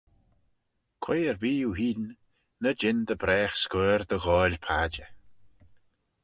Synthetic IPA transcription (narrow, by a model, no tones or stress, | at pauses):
kʰwejəɹviːuɦiːn | nəd͡ʒɪnd̪əbɾɛːxskɛːɹd̪əɣɔːlʲpʰaːd͡ʒə